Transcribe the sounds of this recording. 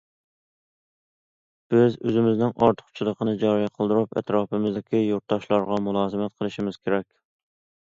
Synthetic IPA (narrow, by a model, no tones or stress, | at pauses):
b̥ɪzøzɪmɪznɪŋʔɑɾt̪ʰə̥qt͡ʃʰilˠəqʰənɨd͡ʒɑɾijɛqʰəlˠd̪ɨɾupɛ̰t̪ɾɑːpɪmɪzd̪ɪkʲʰijoɾt̪ːɑʃlˠɑɾʁɑmulˠɑːzɨmɛt̪̚qʰəlˠɨʃimɪz̥kʲʰeɾɛkʲ